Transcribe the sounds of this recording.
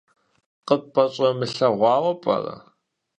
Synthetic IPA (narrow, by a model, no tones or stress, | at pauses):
qəpʼɐɕʼɐmɨɬɐʁʷɑːwɐpʼɐ̰rɐ̰